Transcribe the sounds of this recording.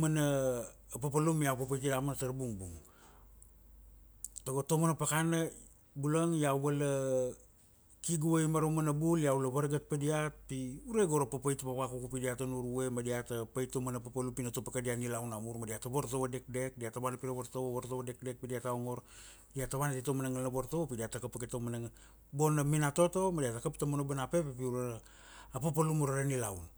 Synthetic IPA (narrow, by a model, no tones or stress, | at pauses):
manaː | papalumjapapajtidamantaɾbuŋbuŋ | taɡo̞tomanapakana | bulaŋjawala | kiɡuajmaɾomanabuljaulaβaɾɡat̚padiat̚piuɾeɡo̞ɾapapajtpaβakukupidiatanuɾue̞madiatapajtomanapapalupinatopakadianilawnamuɾmadiataβoɾtowade̞k̚de̞k̚diataβanapiɾaβoɾtowaβoɾtoβade̞k̚de̞k̚pidiataoŋo̞ɾ | diataβanatitomanaŋalnaboɾtopidiatakapaketomanaŋ | bo̞naminato̞to̞madiatakaptamonobanape̞pepiuɾeɾː | pap̬alumuɾaɾanilawn